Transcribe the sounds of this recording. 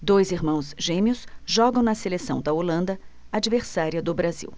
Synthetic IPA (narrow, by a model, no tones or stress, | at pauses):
d̪ojziɾmɐ̃w̃zʒẽmiʊsʒɔɡɐ̃w̃nɐselesɐ̃w̃d̪ɐolɐ̃nd̪ɐ | ad͡ʒiveɾsaɾiɐd̪ʊbɾazḭw